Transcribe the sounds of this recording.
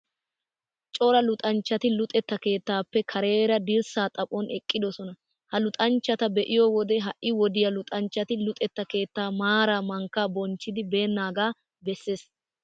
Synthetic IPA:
t͡ʃʼɔɾɐlʊt̪ʼɐnt͡ʃːɐt̪ɪlʊt̪ʼɛt̪ːɐke̞ːt̪ːaːpːɛkʰɐɾe̞ːɾɐd̪ɪɾsaːt̪ʼɐpʼɔnʔɛkʼːɪd̪ɔsɔnɐ | hɐlʊt̪ʼɐnt͡ʃːɐt̪ɐbɛʔɪjɔwɔd̪ɛɦɐʔʔːɪwɔd̪ɪjɐlʊt̪ʼɐnt͡ʃːɐt̪ɪlʊt̪ʼɛt̪ːɐke̞ːt̪ːaːmaːɾaːmɐŋkːaːbɔnt͡ʃːɪd̪ɪbe̞ːnːaːɡaː | bɛsːe̞ːs

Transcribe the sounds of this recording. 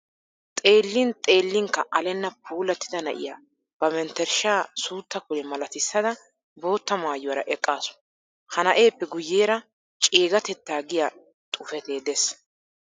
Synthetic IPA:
t̪ʼe̞ːlːɪnt̪ʼe̞ːlːɪŋkːɐʔɐlɛnːɐpʰuːlɐt̪ːɪd̪ɐnɐʔɪ̰jaː | b̥ɐmɛnt̪ːɛɾʃaːsuːt̪ːɐkʊlɛmɐlɐt̪ɪsːɐd̪ɐ | bo̞ːt̪ːɐmaːjʊwɐɾɐʔɛkʼːaːsʊ̥ | hɐnɐʔe̞ːpːɛɡʊjːeːɾɐ | t͡ʃʼeːɡɐt̪ɛt̪ːaːɡɪja | t̪ʼʊfɛt̪e̞ːd̪es

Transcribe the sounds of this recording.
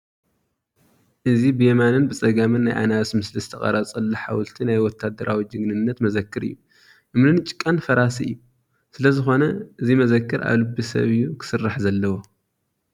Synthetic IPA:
ʔɨzibɨjemanɨnbɨt͡sʼɐɡamɨnːajʔa̰naβsmɨslist̪ʰɐχʼɐ̰ɾat͡sʼɨlːɐħa̰wʊlt̪ʰinajwɔt̪ʰːad̪ɐɾawid͡ʒɨɡnɨnːɐt̪mɐzɐkʰːɨɾɨ̰jːu | ʔɨmlɨnt͡ʃʼɪ̥kʼːɐnfɐɾasiɨ̰jːu | sɨlɐzɨxo̞nɐʔɨzimɐzɐkːɨɾʔa̰βlɨbːisɐ̰βɨjːukʰɨ̥sɨrːaħzɐlːɐwo

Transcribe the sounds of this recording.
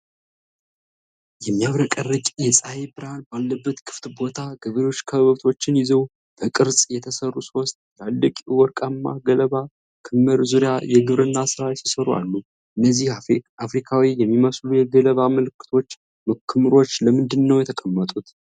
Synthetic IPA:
jɛmːijaβɾəkʼərɨkʼjɛsʼajebɨɾalbalːəbːət̪kʰɨ̥ft̪bo̞t̪ʰaɡɨβɾeo̞t͡ʃːkʰəββəβt̪ʰo̞t͡ʃːɪnjɪzəw | b̥əkʼɨɾsʼjɛt̪ʰəsərːuswɔst̪ʼjalːəkʼuwɔɾkʼamːaɡələβa | kʰɨmːɨɾzuɾjajɛɡɨβɾɨnːasɨɾasisəɾua̰lːu | ʔɨnːəzːihafɾikʰawijɛmːiməslujɛɡələβaməlɨkʰːɨ̥t̪ʰo̞t͡ʃː | məkʰːɨmɨɾo̞t͡ʃːləmɨnd̪ɨnːəwjɛt̪ʰəkʼəmːət̪ʼut̪

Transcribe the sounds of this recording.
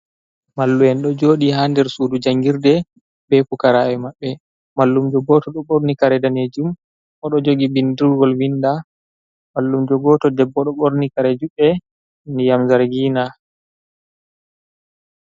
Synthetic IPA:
malːuɛnɗɔd͡ʒoɗihandɛɾsuːdud͡ʒaŋɡiɾdɛ | bɛpukaɾawɛmaɓːɛ | malːumd͡ʒɔɡɔtɔɗɔɓoɾnikaɾɛdaned͡ʒum | ʔɔɗɔd͡ʒoɡibindiɾɡɔlwinda | malːumd͡ʒɔɡɔtɔdɛbːɔɗɔɓoɾnikaɾɛd͡ʒuɓɛ | nijamzaɾɡiːna

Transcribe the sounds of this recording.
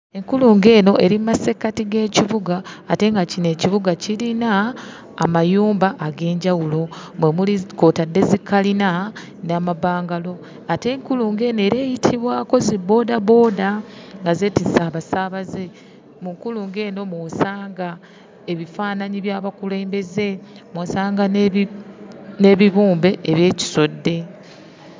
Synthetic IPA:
eŋkuluːŋɡe̞ːno̞ʔe̞ɾimmase̞katiɡe̞ːciβuɡaːte̞ŋɡacine̞ːciβuɡacilinaː | majuːmbaʔːɡe̞ːɲɟawulo̞mwe̞muliko̞ːtadːe̞zikːalina | naːmabaːŋɡalo̞ | ate̞ŋkuluːŋɡe̞ːnoe̞ːɾe̞ːjitʰiβwaːko̞zibo̞ːdabo̞ːdaŋɡaze̞ːtisaːβasaβaze̞ | muŋkuluːŋɡe̞ːno̞mwoːsaːŋɡa | e̞βifaːnaɲiβjaːβakule̞ːmbe̞ze̞mwoːsaːŋɡan | ne̞βiβuːmbe̞ʔːβje̞ːci̥so̞dːe̞

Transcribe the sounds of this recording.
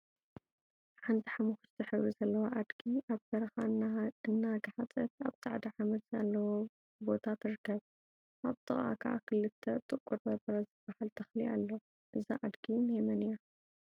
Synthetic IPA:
ħant̪ʰiħamuxut͡ʃt̪ʰɨħɨβuzɐlːɐwaʔad̪ɡiʔaβbɐɾɐxaɨnːaɡaħat͡sʼɐt̪a̰βt̪ʰʼaʕd̪aʕamɐd̪zalːɐwo | bo̞t̪ʰat̪ʰɨɾɨkʰːɐβ | ʔaβt̪ʰʼɨχʼa̰kʰɐʕa̰kʰɨlɨt̪ʰːɐt̪ʼɨkʼuɾbɐbɨɾɐzɨb̥ːahalt̪ʰɐxliʔalːo | ʔɨzaʔad̪ɡimhemɐnija

